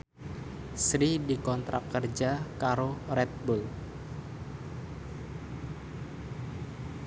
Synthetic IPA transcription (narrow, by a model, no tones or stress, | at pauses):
sɾidikɔnt̪ɾʔa̰kːərd͡ʒakaɾoɾɛt̪̚bul